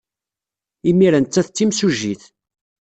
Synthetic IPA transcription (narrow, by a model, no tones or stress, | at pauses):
imiɾænt͡sːæθt͡sːimsuʒiθ